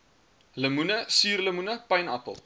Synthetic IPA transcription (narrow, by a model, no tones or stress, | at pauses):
ləmunəsyːrləmunəpɐjnɐpə̰lˠ